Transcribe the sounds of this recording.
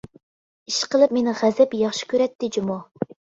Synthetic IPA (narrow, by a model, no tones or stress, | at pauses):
iʃqʰəlˠɨp̚menɪʁæzɛpjɑχʃi̥kʲøɾɛt̪ːɪd͡ʒumɑ